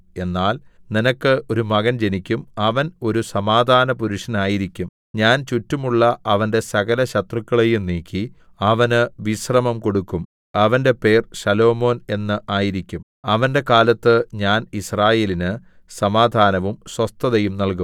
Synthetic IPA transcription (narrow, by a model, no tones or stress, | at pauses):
e̞nːaːlninɐkːɨʔo̞ɾumɐɣɐnd͡ʑe̞nikʲːumɐʋɐno̞ɾusɐmaːd̪ʱaːnɐpuɾuʂɐnaːjiɾikʲːum | ɲaːnt͡ɕutːumuɭːɐʔɐʋɐnde̞sɐɣɐlɐɕɐt̪rɨkːɐɭejumniːkʰʲːi | ɐʋɐnɨʋiɕrɐmɐmko̞ɽukːum | ɐʋɐnde̞pe̞ːrɕɐlo̞ːmo̞ːne̞nːɨʔaːjiɾikʲːum | ɐʋɐnde̞kaːlɐt̪ːɨɲaːnisraːje̞ːlinɨ | sɐmaːd̪ʱaːnɐʋumswɐst̪ʰɐðɐjumnɐlkum